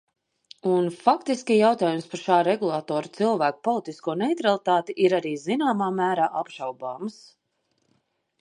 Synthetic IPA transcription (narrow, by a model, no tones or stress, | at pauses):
unfakt̪iskʲijawt̪aːjumspaɾʃaːɾɛɡulˠat̪ɔːɾut̪silˠvæːku̥pɔlˠit̪iskuɔnɛjt̪ɾalˠit̪aːt̪iʔiɾaɾiːzinaːmaːmæːɾaːʔapʃawbaːms